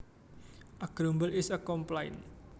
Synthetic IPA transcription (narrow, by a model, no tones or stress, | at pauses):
ʔaɡ̥ɾombəlɪsəkɔmplaɪn